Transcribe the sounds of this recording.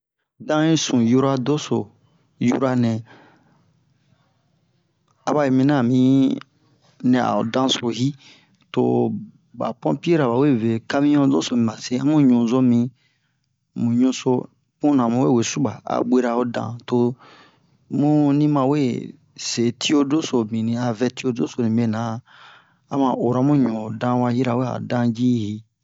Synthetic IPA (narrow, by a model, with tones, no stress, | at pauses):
dã˦ĩ˦sũ˨ju˦ɾa˦do˦so˨ | jṵ˦ɾa˦nɛ̃˨ | a˨ba˦i˨mĩ˧nã˦˨mĩ˨˦ | nɛ̃˨a̰˨o̰˨dã˦so˨hi˦ | to̰˨ | ba̰˨pɔ̃˦pi˦e˦ɾa˨ba˨we˦ve˨ka˦mĩ˦ɲɔ̃˦do˦so˨mĩ˨ba˨se˦ã˦mũ˦ɲũ˨zo˦mĩ˧ | mũ˨ɲũ˦so˦ | pũ˦nã˨mũ˨we˦˨we˨su˦ba˨a̰˨ɓʷe˦ɾa˨o˦dã̰˨to˨ | mũ˦nĩ˦mã˧we˦ | se˨tʰi˦o˦do˦so˨mĩ˨nĩ˨a˨vɛ˧ti˦o˦do˦so˨nĩ˨be˨nã˨ | a˦mã˨ʔo˨ɾa˨˦mũ˦ɲõ˨dã˧˦wa˧hi˦ɾa˨we˦a̰˨dã˦d͡ʒi˦hi˦